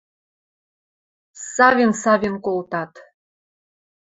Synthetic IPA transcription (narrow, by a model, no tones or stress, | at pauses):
sɑvʲensɑvʲenkolt̪ɑt̪